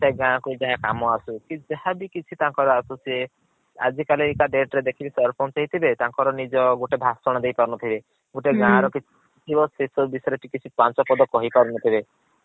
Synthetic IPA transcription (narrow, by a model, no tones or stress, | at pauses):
saɡãːkud͡ʒaɦakamɔasukĩd͡ʒahabikit͡ʃʰit̪ãŋkɔɾɔasusie | a̰d͡ʒikalikaɖeʈɾed̪ekʰibisɔɾpʰont͡ʃaɦit̪ʰibet̪ãŋkɔɾɔnid͡ʒɔɡoʈebʱasɔɽ̃ɔd̪ejpaɾɔnɔt̪ʰibe | ɡoʈeɡãɾɔkit͡ʃʰ | tʰibɔsesɔbisɔɾeʈikit͡ʃʰipant͡ʃɔpɔd̪ɔkɔɦipɔɾunɔt̪ʰibe